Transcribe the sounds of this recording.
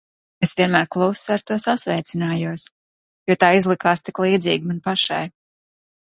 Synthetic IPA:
esvʲiɛnmæːɾklˠuwsaɾt̪uɔsasvɛjt̪sʲinaːjuɔs | juɔt̪aːizlˠikaːst̪iklˠiːd̪zḭːɡmanpaʃa̰j

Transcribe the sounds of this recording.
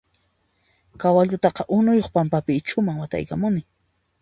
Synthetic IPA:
kawaʎʊt̪ɑqɑʔʊnʊjoχpampapɪːt͡ʃʊmaŋwat̪a̰jkamʊnɪ

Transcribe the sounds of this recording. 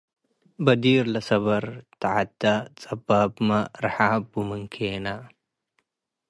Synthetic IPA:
bɐd̪iːɾlɐsɐβɐɾt̪aʕat̪ːat͡sʼɐbaːbmɐɾħaːbumɨŋkʰeːna

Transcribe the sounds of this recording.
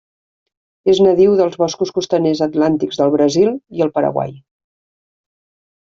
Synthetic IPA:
eznəðiwðəlˠzβɔskuskust̪ənezət̪lant̪iɡzðəlˠβɾəzilˠiəlˠpəɾə̰ɣwa̰j

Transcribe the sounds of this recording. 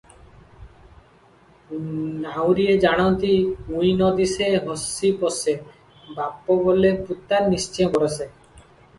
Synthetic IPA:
nawɾied͡ʒaɽ̃ɔnt̪iũjnɔd̪iseɦɔsipɔse | bapɔboleput̪aɾnist͡ʃijɔ̃kɔɾese

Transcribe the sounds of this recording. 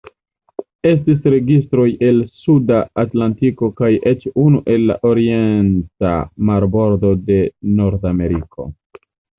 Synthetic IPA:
e̞s̬tisɾe̞ɡistɾo̞je̞lsudaːtlantiko̞kajʔe̞t͡ʃunuʔe̞lːa̰ʔo̞ɾie̞nta̰maɾbo̞ɾdo̞de̞no̞ɾdame̞ɾikʰo̞̰

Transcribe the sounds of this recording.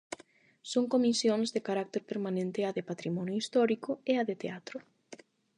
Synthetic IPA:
soŋkomisjõŋzðekaɾak̚t̪eɾpeɾmanẽnt̪ɪaðepat̪ɾimɔnjoist̪ɔɾikʊeaðet̪eat̪ɾʊ

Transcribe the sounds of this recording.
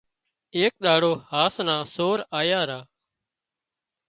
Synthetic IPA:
eːk̚ɗ̪aːɽoːhaːsnãːsoːɾaːjaːɾaː

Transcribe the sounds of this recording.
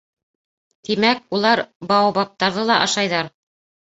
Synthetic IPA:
t̪imæk̚ulˠɑɾbɑwbɑp̚t̪ɑɾðɤlˠɑʔɑʃɑjðɑɾ

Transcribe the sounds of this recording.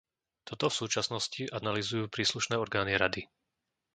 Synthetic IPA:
t̪ɔt̪ɔfsuːt͡ʃasnɔsciʔanalizujuːpɾiːsluʃnɛːɔɾɡaːniɾad̪i

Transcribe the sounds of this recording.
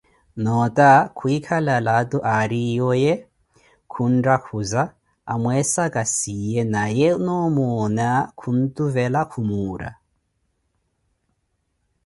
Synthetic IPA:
nɔtʼakʰuikʰalalatʼɔʔaɾijɔjɛ | kʰun̩dakʰuza | amwɛsakʼasijɛnajɛnɔmɔnakʰun̩tʼuvɛlakʰumuːɾa̰

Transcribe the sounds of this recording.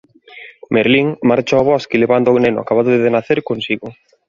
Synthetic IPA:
meɾliŋmaɾt͡ʃoaβɔskileβand̪onenʊ̰a̰kaβaðoðeðenaθeɾkonsiɣʊ

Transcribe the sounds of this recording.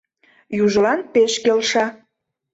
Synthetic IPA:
juʒəlɑnpeʃkelʃɑ

